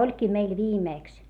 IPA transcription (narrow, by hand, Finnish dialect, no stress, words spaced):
olʲkiː meil ʋiːmeˑks